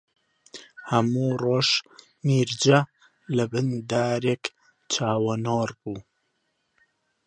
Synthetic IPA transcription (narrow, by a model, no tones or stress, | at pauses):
hɐmuːroːʃ | miːɾd͡ʒɐ | lɐbɨnd̪aːɾeːk | t͡ʃʰaːwɐnoːrbuː